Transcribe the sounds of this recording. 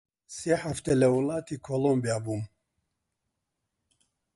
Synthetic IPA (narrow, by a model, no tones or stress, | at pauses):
seːħaft̪ɛlɛwulaːt̪ʰikʰolombijabuːm